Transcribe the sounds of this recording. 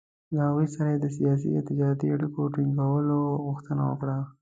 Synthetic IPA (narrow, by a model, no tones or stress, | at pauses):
ləhaɣujsaɾajed̪əs̬ijɑs̬ḭɪt̪ɪd͡ʒɑɾat̪iaɽikoʈiŋɡawəloɣʊxt̪əna̰wə̰kɽa